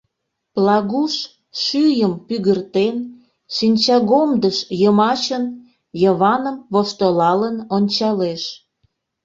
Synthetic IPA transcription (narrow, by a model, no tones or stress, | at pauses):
plɑɣuʃ | ʃyjəmpyɣərt̪en | ʃinʲt͡ɕɑɣomd̪əʃjəmɑt͡ɕən | jəβɑnəmβoʃt̪olɑlənonʲt͡ɕɑleʃ